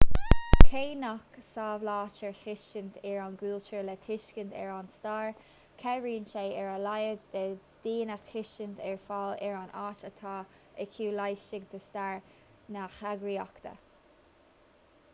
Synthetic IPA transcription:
kʰeːnaksaːvlɑːt͡ʃəɹxɪʃənt̪ʰɛɹanɡuːlt͡ʃəɹlɛt̪ʰɪʃkənd̪ɛ̰ɹanst̪aːɹ | kʰɛɹiːnʃeːɛɹalajəd̪d̪ɛd̪̥iːnaxxɪʃənt̪ʰɛɹfaːlɛɹanaːʃət̪ʰaː | əkʰuːlajʃɪɡd̪əst̪aːɹ | naxaɡɾiːakt̪ʰə̰

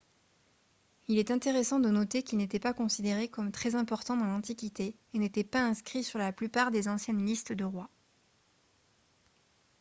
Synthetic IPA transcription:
ilɛt̪ɛ̃t̪eʁesɑ̃d̪ənɔt̪ekʲilnet̪ɛpakɔ̃sid̪eʁekɔmt̪χɛzɛ̃pɔʁt̪ɑ̃d̪ɑ̃lɑ̃t̪ikʲit̪e | enet̪ɛpaɛ̃skχisyʁlaplypaʁd̪ezɑ̃sjɛnlist̪d̪əʁwa

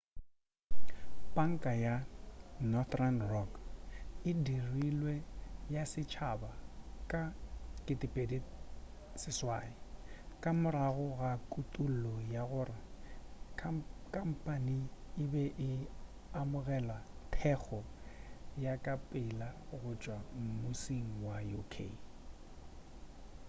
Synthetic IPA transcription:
pʼaŋ̩kʼaja | nɔt̪ranrɔk | ɪdirilwejasɪt͡ʃʰabakʼakʼɪtʼɪpʼedi | sɪswaːɪkʼamʊɾaɣʊɣakʼutʼul̩lɔjaɣʊːrɪ | kʼam̩pʼaniɪbɛʔɪ | amʊɣɛlwatʰɛk͡xʰɔ | jakʼapʼɪlaɣʊt͡ʃʼwam̩mʊsiŋ̩wajukʰḛ

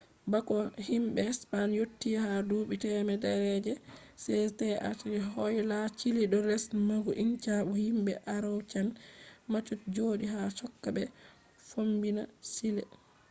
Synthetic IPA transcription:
bakɔhimɓɛspanjotːiahaduːɓitɛmɛdɛɾɛd͡ʒɛsɛtɛʔa̰tiɦɔjlat͡ʃiliɗɔɾɛsmaɡuʔint͡ʃaɓɔhimbɛʔaɾawt͡ʃanmat͡ʃːutd͡ʒoːdiɦat͡ʃɔkːabɛ | fombinasilɛ

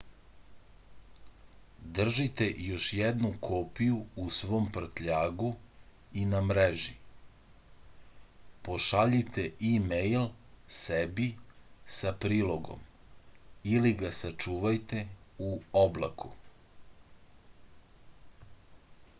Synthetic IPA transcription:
d̪r̩ʒit̪ejo̞ʃjɛd̪nukʰopijuusʋo̞ːmpr̩t̪ʎaːɡu | inamɾeʒi | po̞ʃaʎit̪eimejlsebisapɾiːlo̞ɡo̞̰m | iliɡasat͡ʃuːʋajt̪e̞uobla̰kʰu

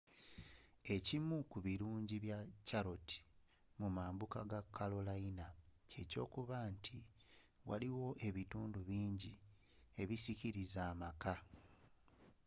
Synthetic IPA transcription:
e̞cimukuβiɾuːɲɟiβjacaɾo̞ti̥ | mumaːmbukaɡakʰːalolainace̞co̞̰ːkuβaːntʰi | wa̰liwo̞ʔe̞βituːnduβiːɲɟi | e̞βisiciɾizaːmaka

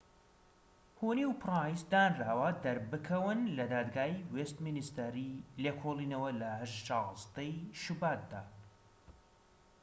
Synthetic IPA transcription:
huniwprɑːisd̪aːnraːwɐd̪ɐɾbɨkʰɐwɨnlɐd̪aːd̪ɡaːiweːst̪minist̪ɐɾileːkʰolˠiːnɐwɐlɐhɐʃt͡ʃɑzd̪ɐjʃubaːt̪̚d̪aː

